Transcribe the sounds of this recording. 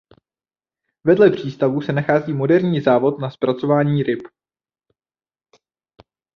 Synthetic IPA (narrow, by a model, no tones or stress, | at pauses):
vɛdlɛpr̝̥iːst̪avusɛnaxaːziːmo̞dɛɾɲiːzaːvo̞t̪naspɾat͡so̞vaːɲiːɾɪp